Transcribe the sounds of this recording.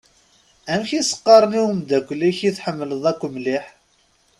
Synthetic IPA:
æmçisə̥qːɑɾˤniwumd̪ækʷːlːiçiθħəmːələðˤækʷːmliħ

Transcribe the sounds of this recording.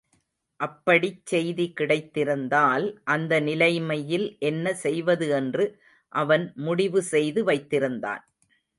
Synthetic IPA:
ʔɐpːɐɽit͡ʃːɛjðikɪɽɐɪt̪ːɪɾɯnd̪aːlʔɐnd̪ɐnɪlɐɪmɐjɪlʔɛnːɐsɛjʋɐðɯɛndrɯ | ʔɐʋɐnmʊɽɪʋɯsɛjðɯʋɐɪt̪ːɪɾɯnd̪a̰ːn

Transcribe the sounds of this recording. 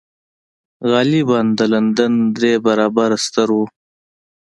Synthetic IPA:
ɣɑːliband̪əlɐnd̪ənd̪ɾeːbɐɾaːbaɾst̪əɾu

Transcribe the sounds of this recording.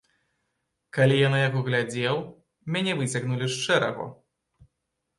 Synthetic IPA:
kalʲijanajaɣɔɣlʲad͡zʲɛw | mʲanʲɛvɨt͡sʲaɣnulʲiʂt͡ʂɛɾɐ̰ɣɔ̰

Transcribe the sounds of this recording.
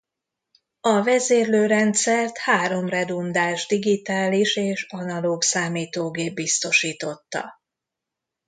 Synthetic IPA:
ɒvɛzeːrløːɾɛnt̪sɛrt̪haːɾo̞mrɛd̪und̪aːʒd̪iɡit̪aːliʃeːʃɒnɒloːksaːmiːt̪oːɡeːbːist̪o̞ʃiːt̪o̞t̪ːɒ̰

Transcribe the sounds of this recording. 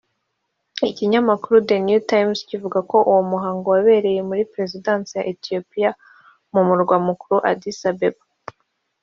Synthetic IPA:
iciɲamakuɾudenjutajmscivuɡako̞ʔuwomuɦaːŋɡowaβe̞ːɾe̞je̞muɾipɾe̞zidaːnsija̰ʔetio̞pija | mumuɾɡwamukuɾuʔa̰disabeba

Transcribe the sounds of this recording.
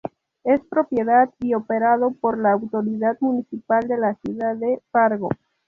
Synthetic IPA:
espɾo̞pjeðat̪iopeɾað̞opoɾlaːwt̪o̞ɾiðad̪munisipald̪e̞lasjuðaðefaɾɣo

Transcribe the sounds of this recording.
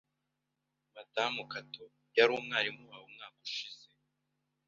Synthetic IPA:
matamukato | jaɾuːmŋaːɾimuβaumŋaːku̥ʃiz̥e

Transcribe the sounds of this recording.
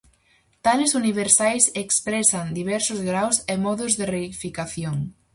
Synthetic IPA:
t̪alesuniβ̞eɾsajsekspɾesand̪iβ̞ɛɾsʊzɣɾawsemɔðʊzðereifikaθjoŋ

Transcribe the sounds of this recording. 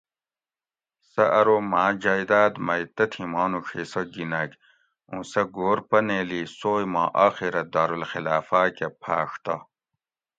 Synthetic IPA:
sɐʔɐɾomaːd͡ʑaːjd̪aːd̪mɐjt̪ɐt̪ʰimaːnukʰesɐɡinɐk | ũːsɐɡoːɾpɐneːliːsoːjmãːʔaːxiɾɐd̪aːɾulxilaːfaːkepʰa̰ːʂt̪ɐ

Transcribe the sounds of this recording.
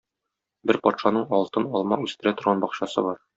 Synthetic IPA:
bɘɾpɒt̪ʃɑnɤɴɒlˠt̪ɤnɒlˠmɑʉst̪ɘ̆ɾæt̪ŏɾʁɑnbɒqɕɑsɤ̰bɒɾ

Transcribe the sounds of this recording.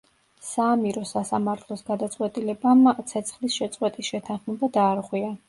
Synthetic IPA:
saːmiɾɔsasamaɾt̪ʰlˠɔsɡ̥ad̪at̪sʼwɛt̪ʼilɛbamt̪sʰɛt̪sʰχlisʃɛt̪sʼqwɛt̪ʼisʃɛt̪ʰanχmɛbad̪aːɾʁwia

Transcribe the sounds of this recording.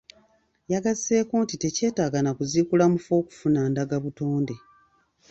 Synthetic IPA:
jaɡaze̞ːko̞ːntite̞ce̞ːtaːɡanakuziːkulamufo̞ːku̥funandaɡaβuto̞ːnde̞

